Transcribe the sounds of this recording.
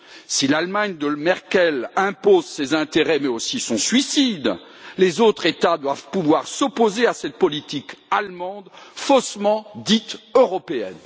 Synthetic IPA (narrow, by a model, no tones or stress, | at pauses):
silalmaɲd̪əlmɛʁkʲɛlɛ̃pozsezɛ̃t̪eʁɛmɛosisɔ̃sɥisid̪ | lezot̪χet̪ad̪wavpuvwaʁsɔpozeasɛt̪̚pɔlit̪ikalmɑ̃d̪fosmɑ̃d̪it̪øʁɔpeɛ̰n